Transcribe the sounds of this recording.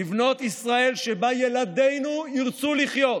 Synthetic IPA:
ivno̞t̪isʁae̞lʃebajelad̪e̞jnuiʁt͡suliχjo̞t

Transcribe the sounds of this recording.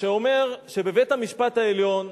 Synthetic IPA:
ʃeo̞me̞ʁʃe̞be̞vet̪hamiʃpat̪haeljo̞n

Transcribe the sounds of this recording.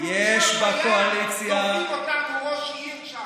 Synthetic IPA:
jɛʃbakoalit͡sja

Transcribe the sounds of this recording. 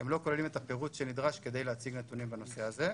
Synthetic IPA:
emlo̞ko̞lelimet̪ape̞ʁutʃenid̪ʁaʃke̞d̪e̞jleat͡siɡnet̪unimbeno̞se̞aze̞

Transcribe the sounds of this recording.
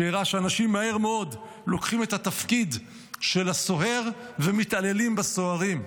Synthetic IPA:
eʁaʃeanaʃimːahe̞ʁmeo̞d | lo̞kχime̞t̪at̪afkid | ʃe̞laso̞ɦe̞ʁvemit̪ale̞limbaso̞aʁim

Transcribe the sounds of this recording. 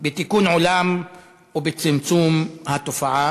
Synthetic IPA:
bit̪ikuːnʕulam | ubit͡sɪmt͡sumhat̪ufaʕa

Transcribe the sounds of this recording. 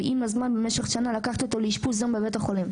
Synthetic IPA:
ʔimazmanbemeʃe̞χʃanalakaχt̪ot̪oleiʃpuzambevet̪aχo̞lim

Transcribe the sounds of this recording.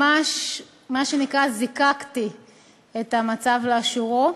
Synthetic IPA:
aʃ | maʃenikʁazikakti | et̪amat͡savleaʃuʁo

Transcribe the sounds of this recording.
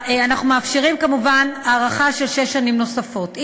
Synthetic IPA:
anaχnumefʃiʁimkamuvanaːʁaχaʃe̞lʃeʃːanimno̞safo̞t

